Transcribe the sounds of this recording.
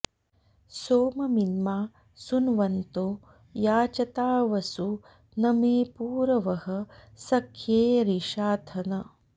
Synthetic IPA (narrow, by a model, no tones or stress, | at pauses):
soːmɐminmaː | sunʋɐnt̪oː | jaːt͡ʃɐt̪aːʋɐsu | nɐmeːpuːɾɐʋɐɦɐ̆sɐkʰjeːɾiʃaːt̪ʰɐnɐ